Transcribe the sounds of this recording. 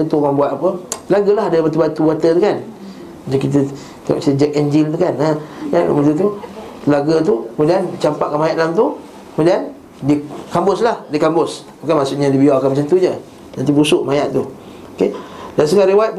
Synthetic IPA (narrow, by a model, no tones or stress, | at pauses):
ut̪uŋaŋbuat̪apəlaɡəlaɦadəmat̪ubat̪ubat̪ət̪ukan | ad͡ʒaŋkit̪̬ə | t̪a̰ʔsit̪əd͡ʒək̚ɛɲd͡ʒilt̪ukanaa̰mət̪ut̪̬ulaɡət̪̬ukəmudiant͡ʃampaʔkanmajaʔalamt̪̬u | kəmudian | dikambʊslahdikambʊsmakamasuʔɲadibiakanmat͡ʃant̪uɲə | nant̪ibusʊʔmajaʔt̪u | okedans̬əŋaɾewat̪̚p